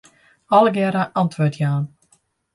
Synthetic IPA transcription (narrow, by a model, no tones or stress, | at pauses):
ɔləɡɛɾəʔɑntʋoːtʰjaːn